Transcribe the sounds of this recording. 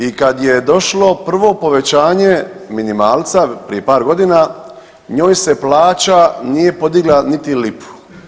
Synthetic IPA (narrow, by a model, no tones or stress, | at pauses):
ikad̪jed̪o̞ʃlo̞pr̩ʋo̞po̞ʋe̞t͡ɕaːɲe̞ | minimaːlt̪sapɾije̞paːɾɡo̞d̪ina | ɲo̞ːjse̞plaːt͡ɕanije̞po̞d̪iɡlˠanit̪ilipu̥